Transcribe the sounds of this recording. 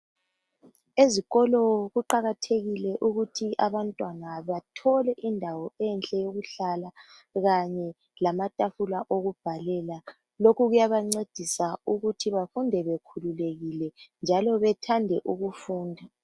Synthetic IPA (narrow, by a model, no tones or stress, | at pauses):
eziɣɔlɔɣuǃaɣatʰeɣilɛʔuɣutʰiʔaβantʼwanaβatʰɔlɛʔindʱawɔɛnt͡ɬʼɛjoɣuɬala | ɣaɲɛ | lamatʼafulaʔoɣub̥ʱalɛla | lokuɣujaβaŋ͡ǀed̥ʱisauɣutʰiβafundʱɛβekʰululeɣilɛnd͡ʒʱalɔβɛtʰandʱɛʔuɣufuːndʱa